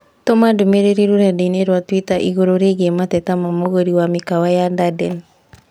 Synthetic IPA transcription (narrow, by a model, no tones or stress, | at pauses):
tɔmadumeɾeɾiɾuɾadeneɾwatwitaʔiɣoɾoɾeɡematɛtamamoɣoɾiwamikawajadadɛn